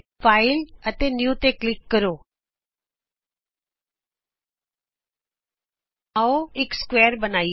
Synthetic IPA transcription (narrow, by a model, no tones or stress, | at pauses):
faːɪlət̪enjuːt̪eklɪkːəɾoː | aoɪkskʋeːəɾbənaːi